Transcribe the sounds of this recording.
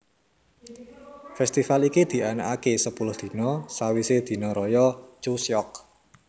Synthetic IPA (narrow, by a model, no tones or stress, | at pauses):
fɛst̪ifalikid̪̥i̤ana̰ʔakesəpulʊhd̪̥i̤nɔsawised̪̥i̤nɔɾɔjɔt͡ʃusjɔk̚